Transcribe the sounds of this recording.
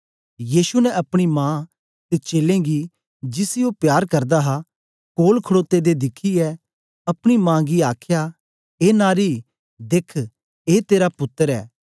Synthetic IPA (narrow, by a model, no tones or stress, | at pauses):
jiːʃunɛʔɐpɽ̃imãː | t̪et͡ʃeːlẽɡi | d͡ʒɪsɪjopjaːɾkɐɾd̪aɦa | koːlkʰəɽoːt̪ːed̪ed̪ɪkʰːiɛ | ɐpɽ̃imãːɡiaːkʰja | eːnaːɾi | d̪ekʰ | eːt̪eːɾapʊt̪ːəɾɛ̰ː